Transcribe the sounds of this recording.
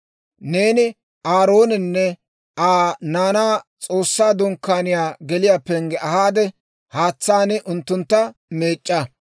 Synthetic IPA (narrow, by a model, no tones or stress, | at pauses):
ne̞ːnɪ | ʔaːɾo̞ːnɛnːɛ | aːnaːnaːt͡sʼo̞ːsːaːd̪ɔŋkːaːnɪjaːɡɛlɪjaːpːɛŋɡɛʔɐhaːd̪ɛ | haːt͡sːaːnɪʔʊnt̪ːʊnt̪ːɐme̞ːt͡ʃʼːɐ